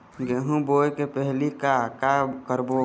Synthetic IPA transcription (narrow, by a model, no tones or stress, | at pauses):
ɡeɦũbojkepəɦlikakakəɾbo